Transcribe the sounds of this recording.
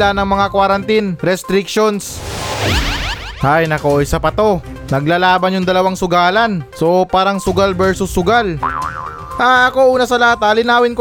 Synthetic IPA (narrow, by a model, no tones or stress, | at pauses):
anɐŋmɐŋakwaɾɐnt̪inɾɛst̪ɾɪk̚ʃons | hajnɐkoɪjsɐpɐt̪o̞ | nɐɡlaːlaːbɐnjʊŋd̪ɐlɐwaŋsʊɡaːlɐnsopaːɾɐŋsʊɡalbɛɹsʊsːʊɡal | ʔaɐko̞ʔuːnɐsɐlɐhat̪ɐlɪnaːwɪnko